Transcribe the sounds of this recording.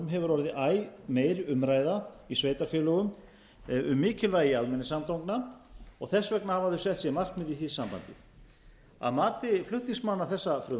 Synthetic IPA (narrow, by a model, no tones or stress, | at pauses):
mɦɛvʏɾɔɾɪðɪʔaːjmeːjɾʏmɾaːjðaisveːjt̪aɾfjɛːlɔɣʏm | ʏmːɪːcɪlvaːjɪalmɛnːɪsamt̪owŋknaɔɣθɛsːvɛknahavaðʏsɛht̪sjɛmar̥k̪mɪðiθisampa̰nt̪ɪ̰ | a̰ðmaːt̪ɪflʏht̪niŋsmanːaθɛsːafɾʏː